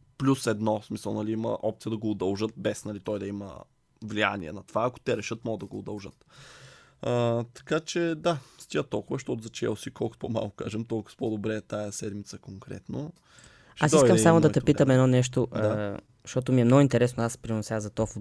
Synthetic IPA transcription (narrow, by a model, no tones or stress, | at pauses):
plʲusɛd̪nɔsmisə̰lˠnɐliimə̰ʔɔp̚t̪sijəd̪ɐɡoːd̪ɐlˠʒɤt̪̚bɛsnɐlit̪ɔjd̪ɐimə̰ | vlia̰nḭɛ̰nɐt̪ovaːko̥t̪ɛɾɛʃɤt̪̚mɔɡəd̪ɐɡoːd̪ɐlˠʒət̪ | ət̪ɐ̥kat͡ʃɛd̪ast̪iət̪ɔlˠkʊvɐʃt̪ɔt̪ʊzɐt͡ʃɛɛlˠsikɔlˠkot̪poma̰lˠkʊ̥ka̰ʒɛmt̪ɔlˠkʊvpod̪obɾɛt̪ajɐsɛd̪mit̪səkoŋkɾɛ̰t̪no | asiskəmsamod̪ɐt̪ɛpiəmɛd̪nɔnɛʃt̪oʔ̪ | ʃt̪ɔt̪ʊmiɛmnɔɡʊint̪ɛɾɛsnoaspɾinosʲjazɐt̪ɔf